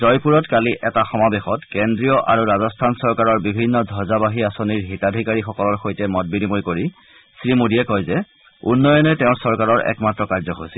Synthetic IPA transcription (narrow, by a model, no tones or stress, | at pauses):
zɔjpuɹɔtkaliʔɛtaxɔmabexɔtkendɹijɔʔa̰ɹuɹazɔstʰansɔɹkaɹɔɹbibʱinːɔdʱɔzabaɦiasoniɹɦitadʱikaɹixɔkɔlɔɹxojtɛmɔt̚binimoɹkoɹi | sɹimodiɛkɔjzɛ | ṵnːɔjɔnɛtɛʊ̃ɹsɔɹkaɹɔɹɛ̰kmatɹɔkaɹzɔɦojsil